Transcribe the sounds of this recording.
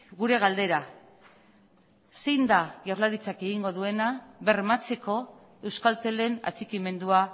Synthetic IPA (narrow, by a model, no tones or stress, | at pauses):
ɡuɾe̞ɣald̪e̞ɾa | sejnd̪aʝorlaɾit͡sake̞ɣ̞iŋɡo̞ðue̞naβe̞ɾmat͡se̞ko̞ | e̞wskalt̪e̞le̞na̰t͡sikime̞nd̪ua